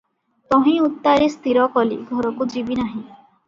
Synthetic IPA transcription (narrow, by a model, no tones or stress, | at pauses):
t̪ɔɦĩut̪ːaɾest̪iɾɔkɔlḭɡʱɔɾɔkud͡ʒibinaɦĩ